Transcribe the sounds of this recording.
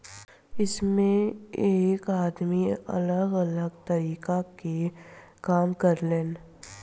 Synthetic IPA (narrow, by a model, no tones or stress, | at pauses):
ɪsmẽeːkaːd̪miɐ̰ləɡələɡt̪əɾiːkake | kaːmkəɾleːn